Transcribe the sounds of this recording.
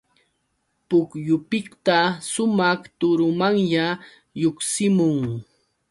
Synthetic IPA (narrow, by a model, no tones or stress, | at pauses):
pʊkjʊpɪkt̪asʊmɑχt̪ʊɾʊmaŋʎa | joχsɪmʊŋ